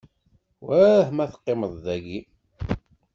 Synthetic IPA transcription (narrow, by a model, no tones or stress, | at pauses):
wæhmæθə̥qːeməðˤðæɡi